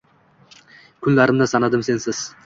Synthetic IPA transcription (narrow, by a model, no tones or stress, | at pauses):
kʲʰʊnlaɾɪmnɪsɑnɑd̪ɪmse̞nsɪz̥